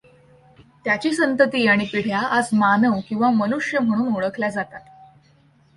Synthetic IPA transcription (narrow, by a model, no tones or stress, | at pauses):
t̪jat͡ɕiːsənt̪ət̪iːaɽ̃ipiɽ̤jaʔad͡zmanəʋkĩw̃ʋamənuʂjəm̤əɽ̃uːnuɭəkʰljad͡zat̪at̪